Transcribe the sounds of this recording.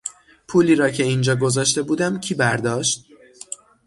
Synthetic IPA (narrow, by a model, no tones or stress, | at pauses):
pʰuːliːɾɒːcʰe̞ind͡ʒɒːɡo̞zɒːʃt̪e̞buːd̪æmcʰiːbæɾd̪ɒːʃt̪̚